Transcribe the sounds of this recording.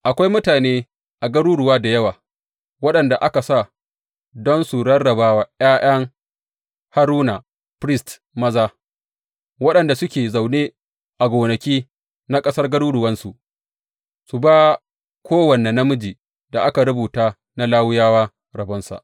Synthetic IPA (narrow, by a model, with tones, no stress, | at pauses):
ʔa˨kʷa˦jmʊ˦taː˨neː˦ | ʔa˨ɡɐ˦ɾuː˦ɽʊ˨waː˦da˨jɐ˦waː˨ | wɐ˦ɗɐ˨nda˨ʔa˦ka˨sa˦˨ | dɔ˦nsu˨ɽɐ˦rɽɐ˨baː˦wa˨j̰aː˦j̰ʔɐ˦ŋ | ha˦ɾuː˦na˨ | pɾɪ˦st | mɐ˦zaː˦ | wɐ˦ɗɐ˨nda˨sʊ˦kʲeː˨za˨wneː˦ | ʔa˨ɡʷoː˨nɐ˨kʲiː˦ | na˦kʼɐ˦sɐ˦rɡɐ˦ɽuː˦ɽʊ˨wɐ˦nsu˨ | su˨baː˦ | kʷʰoː˦wɐ˨ne˨nɐ˦mʊ˦d͡ʒiː˨ | da˨ʔa˦ka˨ɽʊ˦buː˨taː˦ | na˦laː˦wʊ˦jaː˦waː˦ | ɾɐ˨bɐ˦nsa̰˨ʔ